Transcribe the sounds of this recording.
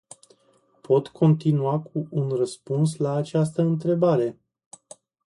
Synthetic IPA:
pʰo̞t̪kʰo̞nt̪inuakʰuʔːnrəspuns̬laːt͡ʃast̪əɨnt̪ɾe̞baɾe̞

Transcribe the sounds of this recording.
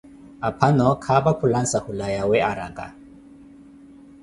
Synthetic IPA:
apʰanɔkʰabakʰulansahulajawɛaɾakʼa̰

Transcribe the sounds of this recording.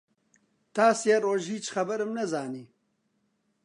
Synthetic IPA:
t̪ɑːsjaɾoːʒiːt͡ʃxɐbəɾmnɐzɑːni

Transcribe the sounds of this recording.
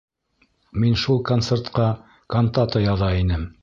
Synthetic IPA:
minʃulˠkont̪sert̪qɑ | kont̪at̪ɑjɑðɑinɘm

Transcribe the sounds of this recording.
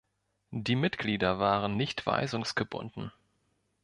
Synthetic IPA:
diːmɪtɡ̥liːdɐvaːʁənːɪçtv̥a̰ɪzʊŋsɡ̥əbʊ̰ndn̩

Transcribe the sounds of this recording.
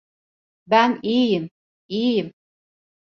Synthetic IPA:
bænijɪm | ijɪm

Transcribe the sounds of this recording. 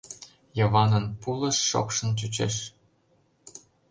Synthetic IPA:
jɤ̆βɑnə̆npulɤ̆ʃːo̰kʃɤ̆nt͡ɕut͡ɕḛʃ

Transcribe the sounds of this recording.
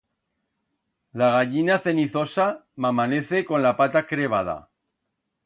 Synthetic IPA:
laɣaʎinaθe̞niθo̞samamane̞θe̞kõ̞nlapat̪akɾe̞β̞að̞a̰

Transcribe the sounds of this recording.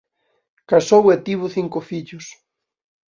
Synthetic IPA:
kasowet̪iβʊθiŋkʊfiʎʊs

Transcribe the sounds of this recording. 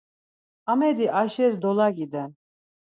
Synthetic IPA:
amɛd̪iʔaʃɛzd̪ɔlˠaɡid̪ɛn

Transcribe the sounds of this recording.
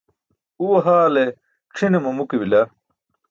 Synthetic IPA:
uwɐɦaːle | ʈ͡ʂʰinemɐmukebilɐ

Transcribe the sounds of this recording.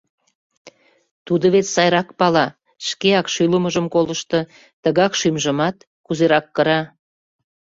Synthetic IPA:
t̪ud̪əβet͡ssɑjɾɑkpɑlɑ | ʃkeɑkʃyləməʒəmkoləʃt̪ɤ̆ | t̪əɣɑkʃymʒəmɑt̪ | kuzeɾɑkːəɾɑ

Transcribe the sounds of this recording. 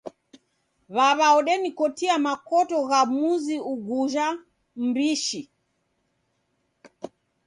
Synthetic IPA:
βaβaɔɗɛnikɔtiamakɔtɔɣamuziuɡuʒa | m̩biʃi

